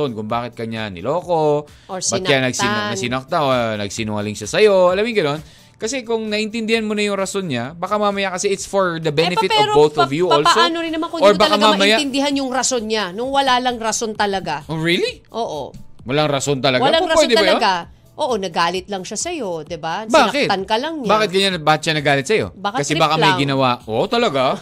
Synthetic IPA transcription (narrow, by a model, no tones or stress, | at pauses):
onkʊŋbaːkɪt̪̚kɐɲanɪ̰loːko̞ | oɹspɐnanɐɡsɪnɐsɪnɐk̚t̪aonɐ̰ɡsinʊŋɐ̰lɪŋʃasɐjo̞ɐlamɪŋɡɐno̞n | kɐsɛkʊŋnɐʔɪnt̪ɪnd̪ɪhanmonɐjʊŋɾɐso̞nɲabɐkamamɐjakɐsɛʔɪt̪sfoɹd̪ɐbɛnɛfɪt̪ɔɾbowθɔvjuʔoːlsoɐnoɾɪnːɐmakooɹbakamaɐmɐnjaɪnd̪ɪɦanjʊŋɾɐso̞nɲanʊŋwɐlalɐŋɾɐso̞nt̪ɐlɐɡaʔoɹiliʔoːʔo̰wɐlaŋɾɐso̞nt̪ɐlɐɡwɐalaoɾɐpwɛd̪ɛɐɐjoɡa | ʔoːʔonɐɡaːlɪt̪lɐŋʃasɐjo̞d̪ɪbabaːɐkɪt̪ankɐlɐŋɲaːkɪt̪̚ɡɐɲanbaːkɪt̪̚ʃanɐɡaːlɪt̪sɐjo̞̰bakɐkɐsɛbakamɐjɡɪnɐwaʔoːʔot̪ɐlɐɡa